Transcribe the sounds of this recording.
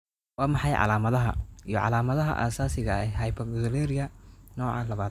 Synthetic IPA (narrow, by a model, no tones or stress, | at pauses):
wɑːmɑħɑjʕɑ̰laːmɐðɐɦɐ̰ḭjɔ̰ʕɑ̰laːmɐðɐɦɐ̰ʔa̰ːsaːsɪɣɐɛɦɐjbɐdlɛːɾɪjɐnɔːʕɑ̰lɐβaːd̪